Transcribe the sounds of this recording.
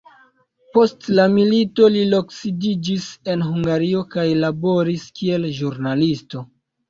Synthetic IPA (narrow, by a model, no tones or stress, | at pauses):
po̞stlamilito̞lilo̞ksidid͡ʒise̞nɦuŋɡaɾio̞kajlabo̞ɾiskie̞lʒuɾnalisto̞